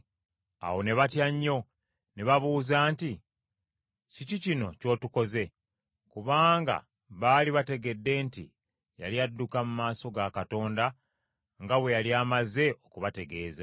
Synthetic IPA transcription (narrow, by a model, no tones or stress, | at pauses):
a̰wo̞ne̞βatjaɲːo̞ | ne̞βaβuːzaːnti | cicicino̞co̞ːtuko̞ze̞ | kuβaːŋɡa̰ | βaːliβate̞ɡe̞dːe̞ːntḭ | ja̰ljadːukamumaːso̞ɡakato̞ːnda | ŋɡaβwe̞jaliaːmaze̞o̞kuβate̞ɡe̞ːza